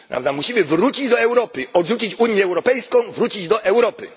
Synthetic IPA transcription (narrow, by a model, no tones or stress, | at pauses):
na̰vd̪amuɕimɘvɾut͡ɕid͡ʑd̪ɔɛwɾɔpɘɔdʐut͡ɕit͡ɕuɲjɛːwɾɔpɛjskɔ̃w̃vɾut͡ɕid͡ʑd̪ɔʔɛwɾɔpɘ̰